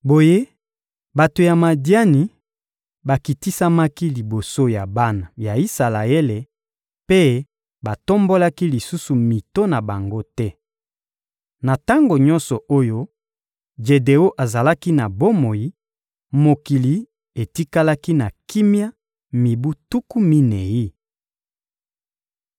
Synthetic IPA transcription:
bo˨je˦ | ba˨to˨ja˨ma˨dja˦ni˨ | ba˨ki˨ti˦sa˦ma˦ki˦li˨bo˨so˦ja˨ba˦na˨ja˨i˦sa˨la˨e˦le˨ | pe˦ | ba˨to˦mbo˦la˦ki˦li˨su˦su˨mi˨to˦na˨ba˨ŋɡo˦tɛ˦ | na˨ta˦ŋɡo˨ɲɔ̃˦nsɔ˨ʔo˦jo˦ | d͡ʒe˨de˨o˦ʔa˨za˨la˦ki˦na˨bo˦mo˨ji˦ | mo˨ki˨li˨ | e˨ti˦ka˦la˦ki˦na˨ki˦mja˦ | mi˨bu˦tu˦ku˦mi˦ne˨ji˦

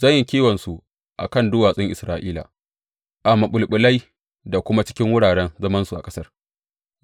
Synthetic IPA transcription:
zɐ˦˨ɲjɪ˨kʲiː˦wɐ˨nsu˨ | ʔa̰˨kɐ˦˨ndʊː˦waː˨sʼɪ˦ŋʔɪ˨sɾaː˦ʔiː˦la̰˨ | ʔa˨mːa˨ɓʊ˨lɓʊ˨la˦j | da˨kʷʊ˦ma˦t͡ʃɪ̥˦kʲɪ˦ŋwʊ˦ɽaː˨ɽɛ˦nzɐ˦mɐ˦nsu˨ʔa˨kʼɐ˦sɐ˦r

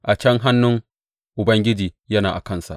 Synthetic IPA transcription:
ʔa˨t͡ʃɐ˦ŋɦa˦nːʊ˦ŋ | ʔʊ˨bɐ˦ŋɡʲɪ˦d͡ʒiː˨jɐ˦naː˨ʔa̰˨kɐ˦˨nsa̰˨ʔ

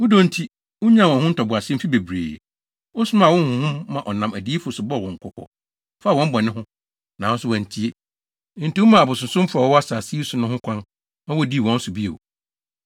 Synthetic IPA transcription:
wʊ˦do˦n̩˦tʰi˦ | wʊ˦ɲã˦˨wɔ̃˨hʊ̃˦tʰɔ˨bʊ˨a˨s̩˦fi˦be˨bɾḛː˨ | wʊ˦sʊ˦mã˦˨wɔ̃˦n˦hʊ̃˨hʊ̃˦mːã˨ʔɔ˨nã˨mæ˨di˦e˦fʊ˨sʊ˨bɔ˦˨wɔ̃˨ŋ̩˨kʰɔ˦˨kʰɔ̰˨ | fa˦˨wɔ̃˦m̩˦bɔ˨nɪ̃˦hʊ̃˦ | nã˨wɔ̃˦sʊ˦wɔ̃˨ɲ˨tʰi˦e˦ | n̩˨ti˨˦wʊ˦mã˨a˨bʊ˨sʊ̃˨sʊ̃˦m˦fʊ˦a˨wɔ˦wɔ˦a˦saː˨si˦e˦sʊ˨nʊ̃˦hʊ̃˦kʰʷã˦n | ã˦wɔ˦˨di˦˨wɔ̃˦n̩˦sʊ˨bi˦ḛ˨wo̰˨

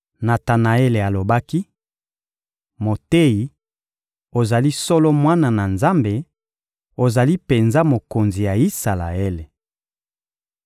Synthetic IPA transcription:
na˨ta˨na˨e˦le˨a˨lo˨ba˦ki˦ | mo˨te˦ji˨ | o˨za˨li˦sɔ˦lɔ˦mwa˦na˨na˨nza˦mbe˨ | o˨za˨li˦pe˨nza˦mo˨ko˨nzi˨ja˨i˦sa˨la̰˨e˦le˨

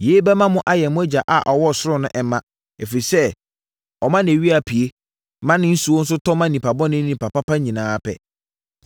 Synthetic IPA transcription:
je˨˦bɛ˦mã˦mʊ̃˦ʔa˦jɛ˨mʊ̃˦æ˦d͡ʑa˨ʔa˨ʔɔ˨wɔ˦˨sʊ˦ɾʊ̃˦˨nʊ̃˦ʔɛ˨˦mã˦ | e˨fi˨i˨sɛ˦ | ɔ˨mã˦nɪ̃˨e˨ɥi˦a˨pʰi˨e˦ | mã˦nɪ̃˦n̩˦su˨o˦n̩˦sʊ˦tʰɔ˦mã˦nĩ˨pa˨bɔ̃˦nɪ̃˦nĩ˨pa˨pa˦pʰa˦ɲĩ˨nãː˨˦pʰɛ̰˦

